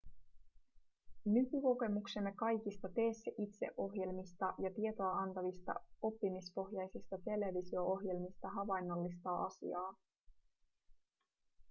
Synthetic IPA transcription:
nykyko̞ke̞mukse̞mːe̞kɑjk̟ist̪ɑt̪e̞ːsːeʔit̪se̞̰ʔo̞ɦje̞lmist̪ɑjɑt̪ie̞t̪o̞ɑɑnt̪ɑʋist̪ɑ̰o̞pːimispo̞xjɑjsist̪ɑt̪e̞le̞ʋisio̞o̞ɦje̞lmist̪ɑɦɑʋɑjnːo̞lːist̪ɑʔɑ̰sḭɑː

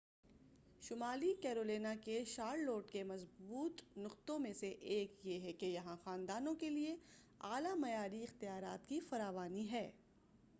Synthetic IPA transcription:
ʃʊmaːlikɛːɾoːleːnakeʃaːɾloːʈkemɐzbuːt̪nʊqt̪õmẽseʔeːkjeɦɛkejɐɦãxaːnd̪aːnõkelie | aːlamɐjaːɾiɪxt̪ɪjaːɾaːt̪kifɐɾaːʋaːniɦɛː

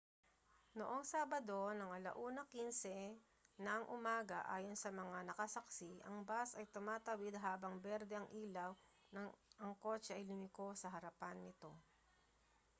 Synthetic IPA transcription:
noʔoŋsaːbɐd̪o̞nɐŋɐlɐ̰ʔuːnɐkinsɛ | nɐɐŋʔʊmaːɡɐʔa̰ːjonsɐmɐŋanɐkɐsɐksɪʔɐŋbasɐjt̪ʊmaːt̪ɐwɪd̪̚ɦaːbɐŋbɛɾd̪ɛɐŋʔiːlɐw | nɐŋʔɐŋko̞t͡ʃɛʔɐjlɪmɪko̞sɐɦɐɾɐpanːɪt̪o̞

